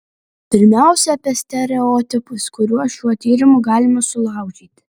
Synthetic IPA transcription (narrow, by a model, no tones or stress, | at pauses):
pʲɪɾʲmʲæˑʊsʲɛɐpʲɛsʲt̪ʲɛɾʲɛɔːt̪ʲɪpʊskʊɾʲuɔʃʲuɔt̪ʲiːɾʲɪmʊɡɑːlʲɪmɐsʊlˠɑˑʊd͡ʒʲiːt̪ʲ